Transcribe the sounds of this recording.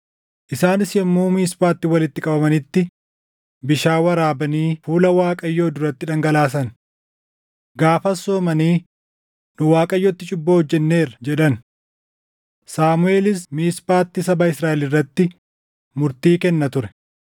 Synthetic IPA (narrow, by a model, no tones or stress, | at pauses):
ʔɪsaːnɪsjɛmːuːmiːspaːt̪ːɪwɐlɪt̪ːɪkʼɐbɐmɐnɪt̪ːɪ | bɪʃaːwɐɾaːbɐniːfuːlɐwaːkʼɐjːo̞ːd̪ʊɾɐt̪ːɪᶑɐŋɡɐlaːs̬ɐn | ɡaːfɐsoːmɐniː | nʊwaːkʼɐjːɔt̪ːɪt͡ʃʼʊbːoːhɔd͡ʒːɛnːe̞ːɾɐd͡ʒɛᶑɐn | saːmʊe̞ːlɪsmiːspaːt̪ːɪsɐbɐɪsɾaːʔɛlɪrːɐt̪ːɪ | mʊɾt̪iːkɛnːɐt̪ʊɾɛ̥